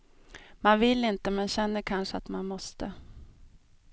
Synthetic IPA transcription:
manvɪlːɪnt̪əmɛnɕɛnːəɾkʰanʂəa̰t̪manmɔst̪ə

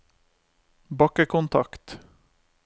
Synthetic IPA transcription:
bakːəkʰɔnt̪ʰakt̪

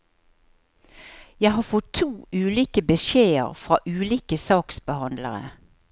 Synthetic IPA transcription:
jæɪɦɑːfɔt̪ʰːuːʉːliːkəbəʃeːə̰ʁfʁɑ̰ːʔʉːliːkəsɑːksbəhɑnd̪lə̰ʁə̰

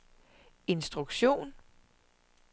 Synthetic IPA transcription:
e̝nsd̥ʁuɡ̥ɕo̝̰ːn

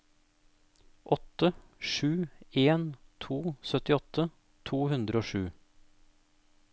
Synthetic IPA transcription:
ʔɔt̪ə | ʂʉːeːnt̪ʰuːsœt̪ɪɔt̪ə | t̪ʰuːhʉnd̪ɾəoːʂʉː

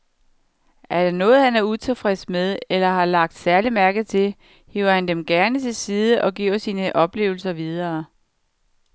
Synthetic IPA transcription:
ʔæɐɾ̥ɑ̈nɔ̽ːð̞̩ˠhænæɐut͡sʰe̝fʁesmeðˠelɐɦɑ̈lɑ̈ɡ̥̚d̥sæɐlimæɐɡ̥ð̩ˠt͡sʰe̝l | heʊɐhænd̥emɡ̥æɐnət͡sʰe̝lsiːð̞ˠəʔɒ̽ɡ̥iɐsiːnəʔɒ̽b̥le̝̰ːʊl̩sɐʋið̞ˠɐː

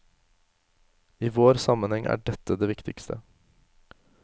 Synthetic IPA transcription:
iːʋoːɾsɑmənhɛŋʔæ̰ːɖɛt̪ːəd̪eːʋɪkt̪ɪkst̪ʰə̰

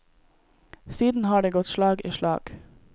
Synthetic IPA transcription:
siːd̪n̩hɑːɖeːɡɔt̪ʃlɑːɡḭːʃlɑ̰ːɡ̥

